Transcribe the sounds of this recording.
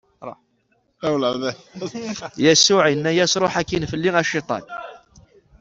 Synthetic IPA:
ɾˤɑ̰ | æwlaðæ | jæsuʕjənːæjæsɾˤoħækːinfəlːiŋæʃit̪ˤɑ̰n

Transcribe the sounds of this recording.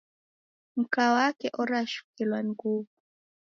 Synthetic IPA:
m̩kawakɛʔɔɾaʃu̥kilwaŋɡuvu

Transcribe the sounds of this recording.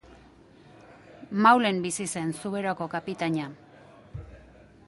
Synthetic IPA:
mawle̞mbisise̞nsuβe̞ɾoko̞kapit̪aɲa

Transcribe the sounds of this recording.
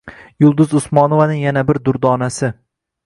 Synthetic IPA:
jʊlˠd̪ʊzʊsmɒnovanɪŋjanabɪɾd̪ʊɾd̪ɒnasɪ

